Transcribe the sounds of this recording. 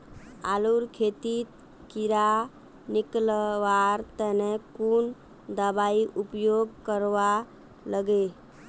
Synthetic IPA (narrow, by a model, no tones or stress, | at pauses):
aluɾkʰet̪i | kiɾa | niklʋaɾt̪ɛnekun | d̪əbaiʔupjoɡkəɾʋa | ləɡe